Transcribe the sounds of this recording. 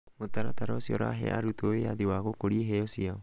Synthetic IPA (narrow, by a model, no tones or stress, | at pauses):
otaɾataɾɔsiɔɾa̰ɦɛ̰aɾutoejaðiwaɣokoɾiɦɛɔsiaɔ